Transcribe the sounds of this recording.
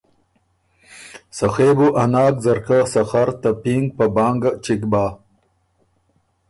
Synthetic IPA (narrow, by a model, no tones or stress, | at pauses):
saxeːbuʔanɑːkzaɾkasaxaɾt̪apiŋɡ̚pabɑːŋɡat͡ʃikbaː